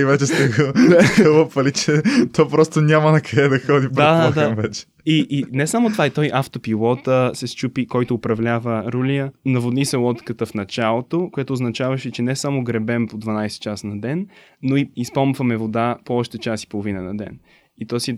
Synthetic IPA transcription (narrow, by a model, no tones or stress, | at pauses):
ivɛt͡ʃɛst̪ɛɡoxəlopɐlit͡ʃɛt̪ɔpɾɔst̪onʲamɐnɐkɐɛd̪ɐxɔd̪id̪ad̪ad̪amvɛt͡ʃɛ̥ | iʔinɛsamot̪ovaɛt̪ɔjʔaft̪opilˠɔt̪əsɛst͡ʃupikɔjt̪oːpɾɐvlʲavəɾuliənɐvod̪nisɛlˠɔt̪kət̪əfnɐt͡ʃalˠot̪okojɛt̪oːznɐt͡ʃavɐʃɛt͡ʃɛnɛsamoɡɾɛbɛmpod̪vɐnajsɛ̥t̪t͡ʃasnɐd̪ɛnː | oiispɔmvɐmɛvod̪apoɔʃt̪ət͡ʃasi̥polˠovinənɐd̪ɛ̰n | it̪ɔsi